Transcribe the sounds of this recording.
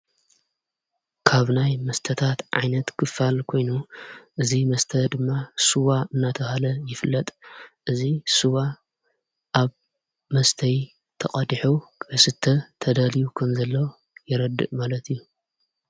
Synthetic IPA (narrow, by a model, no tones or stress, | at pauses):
kʰaβnajmɐst̪ʰɐt̪ʰat̪ʕa̰jnɐt̪kʰɨfalkʰo̞jnuʔɨzimɐst̪ʰɐd̪ɨmːasuwaɨnːat̪ʰɐhalɐjɪfɨlːɐt̪ʼʔɨzisuwa | ʔaβ | mɐst̪ʰɐj | t̪ʰɐqʼɐd̪iħuɐsɨt̪ʰːɐt̪ʰɐd̪alijukʰɐmzɐlːo | jɪɾɐd̪ɨ̰ʔmalɐt̪ijːu